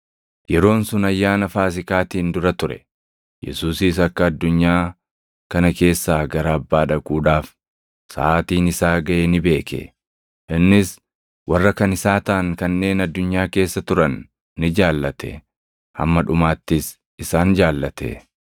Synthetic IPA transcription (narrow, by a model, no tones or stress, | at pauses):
jɛɾo̞ːnsʊnɐjːaːnɐfaːs̬ɪkaːt̪iːnd̪ʊɾɐt̪ʊɾɛ̰ | jɛ̰suːsiːs̬ɐkːɐːd̪ːʊɲːaː | kɐnɐke̞ːsːaːɡɐɾaɐbːaːᶑɐkʼuːᶑaːf | sɐ̰ʔaːt̪iːnɪsaːɡɐʔenɪbe̞ːkḛ | ʔɪnːɪs | wɐrːɐkɐnɪsaːt̪ɐʔɐŋkɐnːe̞ːnɐd̪ːʊɲːaːke̞ːsːɐt̪ʊɾɐnː | ɪd͡ʒaːlːɐt̪ʰɛ̰ | hɐ̰mːɐᶑʊmaːt̪ːɪs | ɪsaːnd͡ʒaːlːɐt̪ɛ̰